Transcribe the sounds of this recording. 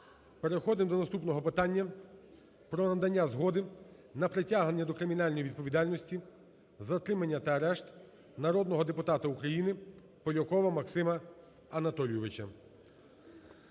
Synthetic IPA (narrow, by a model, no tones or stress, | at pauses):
peɾexɔd̪ɪmd̪ɔnɐst̪upnɔɦɔpɪt̪ɑnʲːɐ | pɾɔnɐd̪ɐnʲːazɦɔd̪ɪ | nɐpɾɪtʲaɦnenʲːɐd̪ɔkɾɪmʲinɑlʲnɔjiʋʲid̪̚pɔʋʲid̪ɑlʲnɔsʲtʲi | zɐt̪ɾɪmɐnʲːɐt̪ɐːɾɛʃt̪ | nɐɾɔd̪nɔɦɔd̪epʊt̪ɑt̪ɐukɾɐjinɪ | pɔlʲɔkɔʋɐmɐksɪmɐ | ɐnɐt̪ɔlʲjɔʋɪt͡ʃɐ